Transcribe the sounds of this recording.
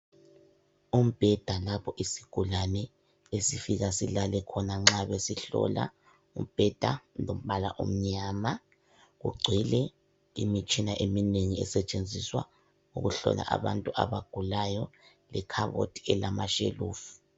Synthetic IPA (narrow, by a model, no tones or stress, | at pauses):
um̩b̥ʱɛd̥ʱalapʰɔʔisiɡ̥ʱulanɛ | esifiɣasilalɛkʰɔnaŋ͡ǁaβesiɬɔ̰la̰ | um̩b̥ʱɛd̥ʱalom̩βala̰ʔṵm̩ɲama | ɣṵɡ͡ǀʱilɛ | ḭmit͡ʃʼinaʔemineŋiɛsɛt͡ʃʼend͡zʱiswa̰ | uɣuɬɔ̰la̰ʔa̰βa̰ntʼuʔa̰βaɡ̥ʱulajɔ | lɛkʰaβo̰tʰʼi̥ɛlamaʃḛluːfu̥